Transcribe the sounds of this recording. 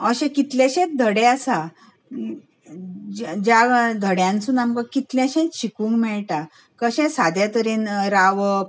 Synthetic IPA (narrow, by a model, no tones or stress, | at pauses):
əɕɛ̃kit̪lɛ̃ɕẽt̪̚d̪ʱəɽeasa | d͡ʑad̪ʱəɽjãnt͡sunamkəkit̪ljãɕɛ̃t͡sɕikũːŋkmɛɭʈa | kəɕɛ̃sad̪ʱjat̪əɾiːnɾaʋə